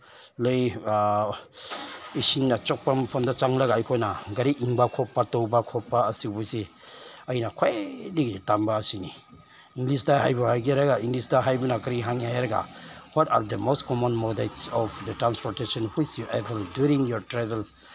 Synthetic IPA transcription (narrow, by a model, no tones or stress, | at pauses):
ləj | isinːat͡ʃɔk̚pampʰɔndat͡ʃaŋlaɡaːjkʰɔjnaɡaɾiʔiŋbakʰɔpːatɔwbakʰɔpːaɐsibuse | ɐjnakʰɔjdiɡitambaːsini | iŋɡlis̬daɦajbuhajɡiɾaɡaiŋɡlisdaɦajbunakɐɾiɦaŋihajɾɐɡa̰wɔta̰ɾdəmostkɔmɔnmɔdetsɔfdətɾanspɔɾtesɔnhwit͡ʃjuʔɛtldjuɾiŋjɔɾtɾavel